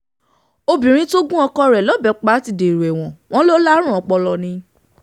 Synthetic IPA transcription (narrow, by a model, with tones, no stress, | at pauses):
o˧bĩ˨ɾ̃ĩ˦to˦ɡũ˦ɔ˧kɔ˦ɾɛ˨lɔ˨˦˨bɛ˨˧˨k͡pa˨˦ti˨de˨ɾu˨ɛ˨w̃ɔ̃˨w̃ɔ̃˦lo˦la˦ɾ̃ũ˦ɔ̃˨˧k͡pɔ˧lɔ˧nĩ˧